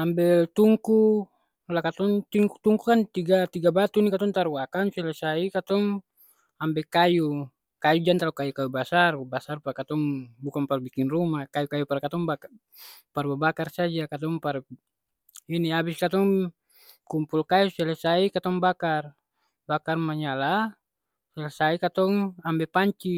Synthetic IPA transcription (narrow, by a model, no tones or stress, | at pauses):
ambɛt̪uŋku | lakat̪ɔŋt̪iŋkut̪uŋkukant̪iɡat̪iɡabat̪uinikat̪ɔŋt̪aɾuakansɛlɛsaikat̪ɔŋ | ambɛkaju | kajud͡ʒant̪alukajukajubasarbasarpakat̪ɔŋbukaŋpalubikinrumakajukajupaɾkat̪ɔŋba | paɾbabakarsad͡ʒakat̪ɔŋpaɾ | iniabiskat̪ɔŋ | kumpulkajusɛlɛsaikat̪ɔŋbakar | bakarmaɲala | sɛlasaikat̪ɔŋambɛpaɲt͡ʃi